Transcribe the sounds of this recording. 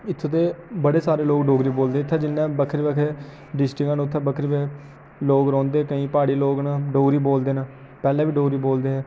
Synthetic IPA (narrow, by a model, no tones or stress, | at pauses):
ɪt̪ʰːõːt̪eːbəɽeːsaːɾeːloːɡɖoːɡɾiːboːld̪eːɪt̪ʰːɛ̃ːd͡ʒɪnːãːbəkʰəɾbekʰe | ɖɪsʈɪkãːnːt̪ʰːɛ̃ːbəkʰɾbeː | loːɡɾɔ̃ːnd̪eːkəĩːpaːɽiːloːɡnãːɖoːɡɾiːboːld̪eːnãː | pɛːleɛːʋiːɖoːɾiːboːld̪eːɦɛː